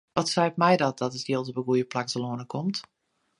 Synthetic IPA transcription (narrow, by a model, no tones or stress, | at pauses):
ʋɔtsɛjpmɛjdɔt̚d̥ɔtətjeəlˠtəbəɡujəplaksəloənəkʰomt